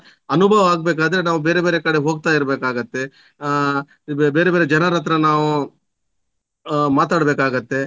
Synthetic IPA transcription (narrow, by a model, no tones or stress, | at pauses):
ɐnubʱɐʋɐaːɡ̚beːk̬aːd̪ɐɾenaːʋubeːɾebeːɾekɐɽeɦoːɡ̚t̪aːjiɾbeːkaːɡɐt̪ːe̞ | beːɾebeːɾed͡ʒɐnɐɾɐt̪ɾɐnaːʋu | maːt̪aːɽbeːkaːɡɐt̪ːe̞